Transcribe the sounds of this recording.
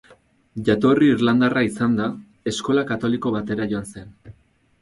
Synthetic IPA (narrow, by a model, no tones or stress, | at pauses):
ʝat̪o̞riːɾland̪araisand̪a | e̞sko̞lakat̪o̞liko̞β̞at̪e̞ɾaʝo̞anse̞n